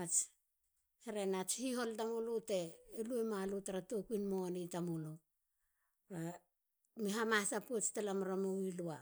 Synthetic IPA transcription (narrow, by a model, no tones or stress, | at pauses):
at͡ʃ | heɾenat͡ʃhiho̞ltamuloteːluemalutaɾatokuinmonitamulo | ɾa | miɦamasapuet͡ʃtalamaɾamowilua